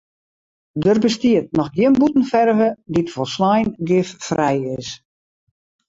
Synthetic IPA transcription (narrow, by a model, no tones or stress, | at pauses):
dərbəstiət̚nɔxɡjɪənbutn̩fɛrvəditfɔlˠslajnɡɪffrʔɛjɪs